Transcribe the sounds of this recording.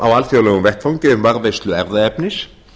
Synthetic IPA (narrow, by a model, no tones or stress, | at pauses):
awalfjowlɛɣʏmvɛht̪fawɲcɪʏmvaɾvejst̪lʏɛɾðaɛpnɪs